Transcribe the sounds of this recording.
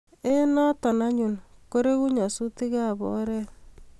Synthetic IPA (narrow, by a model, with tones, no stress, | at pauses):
e˦na˦tɔ˨na˦ɲu˨nko˦ɾe˦ku˦ɲa˨su˦ti˦ka˦˨bɔ̰˦ɾɛ˦